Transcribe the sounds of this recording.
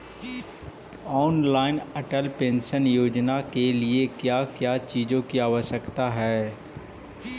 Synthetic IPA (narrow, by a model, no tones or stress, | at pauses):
ɔːnlaːɪnɐʈəlpẽːnʃənjoːd͡ʒnakeliekjaːkjaːt͡ʃiːd͡ʒõkiaːʋəʃjəkt̪aɦɛː